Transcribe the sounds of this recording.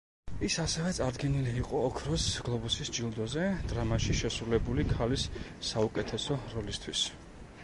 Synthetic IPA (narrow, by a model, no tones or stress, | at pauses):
isasɛvɛt̪sʼaɾd̪ɡɛniliːqʼɔːkʰɾɔsɡ̥lˠɔbusisd͡ʒilˠd̪ɔzɛd̪ɾamaʃiʃɛsɾulɛbulikʰalisːaukʼɛt̪ʰɛsɔɾɔlist̪ʰwis